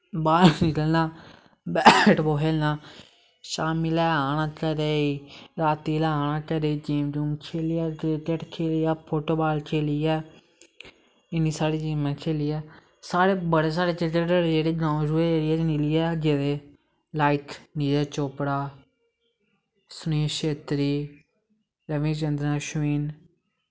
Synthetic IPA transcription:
baːlnɪkəlnãː | bɛʈboːɦeːlnaː | ʃaːmiːlɛːaːɽ̃ãːkɛːɾeːiːɾaːt̪iːlɛːaːɳ̃ãːkɛːɾeːiːd͡ʒiːmd͡ʒuːmkʰeːlijaːkɾekeʈkʰeːlijaːpʰoːʈoːbaːlkʰeːliːɛː | ɪniːsaːɽiːd͡ʒiːmãːkʰeːlɪːɛː | saːɾeːbəɽeːs̬aːɽeːt͡ʃɪkəəɾed͡ʒeːɽeːd͡ʒãːd͡ʒuːeeɾɪɛːnɪlɪːɛːd͡ʒeːd̪eː | laːit̪ʰniːd͡ʒɛːt͡ʃoːpɽaː | sʊniːʃeːt̪ɾiː | ɾəʋĩːt͡ʃənd̪ɾãːʃiːn

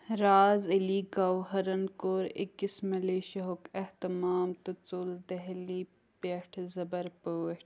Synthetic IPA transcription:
ɾaːzɐliːɡɐwɦɐɾɐnkoːɾɪ̰kːismɐleːʃɐɦokeht̪ɐmaːmt̪ɐt͡suld̪ɐɦli | peʈʰzɐbɐɾpoʈ

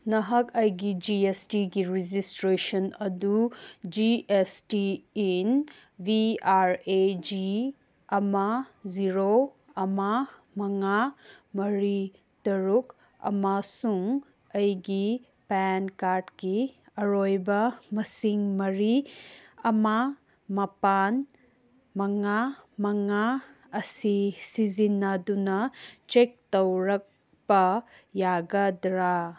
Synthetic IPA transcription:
nɐɦɐkɐjɡid͡ʒiestiɡiɾid͡ʒistɾesɐnɐdud͡ʒiestiin | biaɾed͡ʒi | ɐmaziɾo | ɐma | mɐŋamɐɾi | tɐɾuk | ɐ̰masuŋ | ɐjɡi | penkaɾdki | ɐɾojbɐmɐsiŋmɐɾi | ɐma | mɐpan | mɐŋamɐŋa | ɐsisizinɐdunɐt͡ʃek̚towɾɐk̚ | bɐ | jaɡɐdɾa

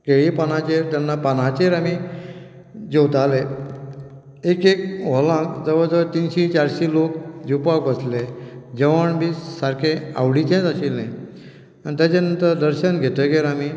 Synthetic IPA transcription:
keɭipanat͡ɕeɾt̪janːapanat͡ɕeɾami | d͡ʑewt̪ale | ekek̚ʋɔlãmd͡zəʋəd͡zəʋt̪inɕit͡ɕaɾɕilokd͡ʑipakbəsled͡ʑəʋəɳbʱiːsaɾkʰẽa̰wɽit͡ɕẽd͡zaɕilnẽj | anit̪jat͡ɕanənt̪əɾd̪əɾɕənɡʱet̪əɡeɾami

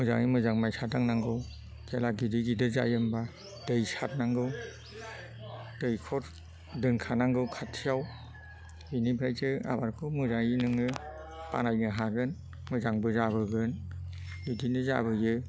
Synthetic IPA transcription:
mɯzaŋɯmɯzaŋmajsataŋnaŋɡɯw | kʰelaɡidɯɡidɯza̰jɯmba | dɯjsat̚naŋɡɯw | dɯjkʰɔɾ | dɯnkʰanaŋɡɯwkʰatʰijaw | binibʰɾajtɯa̰baɾkʰɔmɯzajinɯŋɯ | pa̰najnɯɦaɡɯn | mɯzaŋbɯzabɯɡɯn | lidinɯza̰bɯjɯ

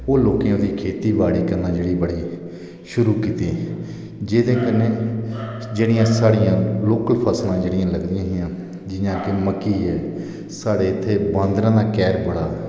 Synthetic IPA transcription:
oːloːkeːõːd̪iːkʰeːt̪iːbaːɽiːkəɾnãːd͡ʒeːɽiːbəɽiː | ʃʊɾuːkiːt̪ĩː | d͡ʒeːd̪ẽːkəneː | d͡ʒeːɽɪjãːsaːɽɪjãːloːkəlpʰaːslãːd͡ʒeːɽɪjãːləɡd̪ɪjãːɦɪjãː | d͡ʒɪnãːkɪməkːiːɛː | saːɽeːɪt̪ʰːeːbãːnd̪ɾãːd̪aːkɛːɾbəɽaː

